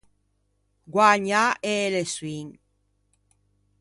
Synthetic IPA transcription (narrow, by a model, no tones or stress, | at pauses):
ɡwaɲaʔeleswiŋ